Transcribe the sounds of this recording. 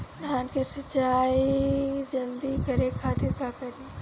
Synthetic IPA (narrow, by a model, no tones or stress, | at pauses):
d̪ʱaːnkesət͡ʃaid͡ʒɐld̪ikəɾekʰaːt̪ɪɾkakɐɾi